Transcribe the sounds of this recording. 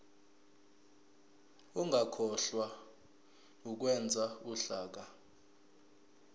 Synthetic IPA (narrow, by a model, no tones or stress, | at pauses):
uŋɡakʰɔɬwa | uk̬wɛnd͡zʱauɬaːk̬a